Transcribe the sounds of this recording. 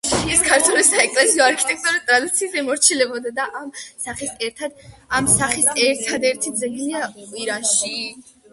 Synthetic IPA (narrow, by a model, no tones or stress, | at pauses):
ɛskʰaɾt̪ʰwɛlisaɛkʼlɛsiɔaɾkʰi̥t̪ʼɛk̚ʼt̪ʼuɾɛt̪ʼɾad̪it̪sʰiazɛmɔɾt͡ʃʰilɛbɔd̪ad̪aʔamsaχisɛɾt̪ʰad̪amsaχisɛɾt̪ʰad̪ɛɾt̪ʰid̪zɛɡiliakʼwiɾanʃi